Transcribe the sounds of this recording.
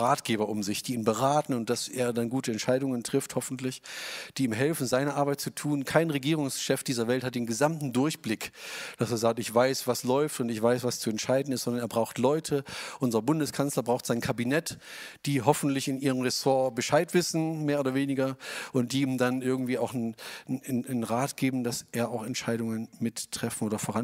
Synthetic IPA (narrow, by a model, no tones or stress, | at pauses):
ʁaːtɡ̥eːbɐʔʊmzɪçd̥iːiːnbəʁaːtn̩ʊnt̚d̥aseːɐdanɡuːtəɛntʃaɪdʊŋəntʁ̥ɪfthɔfn̩tʰlɪçd̥iːmɦɛlfn̩zaɪnəʔaɐbaɪtt͡sutʰuːnkʰaɪnʁeɡiːʁ̞ʊŋsʃɛfd̥iːzɐvɛlthat̚d̥eːnɡəzamtn̩dʊɐçb̥lɪkd̥aseːɐzaːk̚tɪçv̥aɪsv̥aslɔʏftʊntɪçv̥aɪsv̥ast͡suɛntʃaɪdn̩ɪstzɔndɐneːɐbʁaʊxtlɔʏtʰəʔʊnzɐbʊndəskʰanslɐbʁaʊxtz̥aɪnkʰabinɛt | d̥iːɦɔfn̩tlɪçɪniːʁəmʁɛsoːɐbəʃaɪtv̥ɪsn̩meːɐoːdɐveːnɪɡɐʔʊnt̚d̥iːmdanʔɪɐɡŋ̩tv̥iːaʊx | nʁaːtɡ̥eːbm̩d̥aseːɐʔaʊxɛntʃaɪɾʊŋənmɪtʰːʁ̥ɛfn̩ʔoːdɐfoːʁan